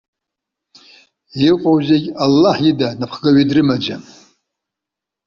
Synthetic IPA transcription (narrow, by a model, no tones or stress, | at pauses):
iqʷʼowzeɡʲalːaħjidanapʰχɡaɥidrɨmad͡ʒa